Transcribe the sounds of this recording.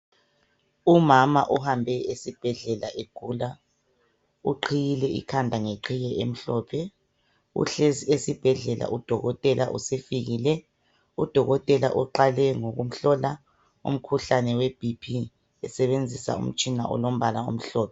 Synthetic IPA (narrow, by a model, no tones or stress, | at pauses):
umamaʔuhambʱɛesib̥ʱɛɮɛlaʔeɡ̥ʱuːla | ṵǃʰijilɛʔḭkʰandʱaŋeǃʰijɛʔem̩ɬɔːpʰɛ | ṵɬeesib̥ʱɛɮɛlʔa̰ʔud̥ʱɔɣɔtʼɛlʔa̰ʔṵsefiɣilɛ | ud̥ʱɔɣɔtʼɛla̰ʔuǃalɛŋoɣum̩ɬɔla | ṵm̩kʰuɬanɛweb̥ʱipʰi | ɛsɛβend͡zʱisa̰ṵm̩t͡ʃʼinaʔɔ̰lom̩βalaṵm̩ɬɔːpʰɛ